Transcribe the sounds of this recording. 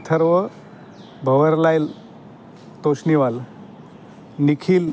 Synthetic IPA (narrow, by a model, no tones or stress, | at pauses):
t̪ʰəɾʋə | bʱəʋəɾlajl | t̪osniʋal | nikʰil